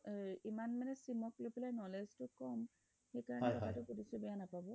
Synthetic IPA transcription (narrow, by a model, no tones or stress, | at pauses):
imanmanɛsimɔklopilajnɔleztʊkɔm | xejkaɹɔɛɔtʰatʊkudisʊbɛjanapabɔ